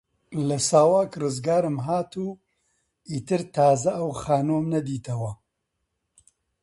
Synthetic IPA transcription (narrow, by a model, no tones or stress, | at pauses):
lɐsaːwaːkrɨzɡaːɾɨmɦaːt̪ʰuː | iːt̪ɨɾt̪ʰaːzɐʔɐwxaːnoːmnɐd̪iːt̪ʰɐwɐ